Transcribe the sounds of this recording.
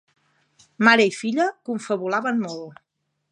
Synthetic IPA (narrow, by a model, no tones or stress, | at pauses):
maɾəifiʎəkuɱfəβulaβənmɔlˠ